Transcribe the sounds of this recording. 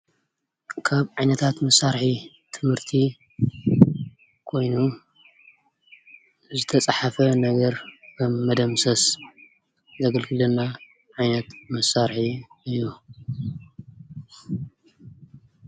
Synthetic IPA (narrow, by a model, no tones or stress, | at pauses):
kʰaβʕajnɐt̪ʰat̪mɐsaɾħi | t̪ʰɨmhɨɾt̪ʰi | kʰo̞jnu | zɨt̪ʰɐt͡sʼaħafɐnɐɡɐɾkʰɐmːɐd̪ɐmsɐs | zɐɡɐlɡɨlɐnːa | ʕajnɐt̪mɐsːaɾħiɨjːu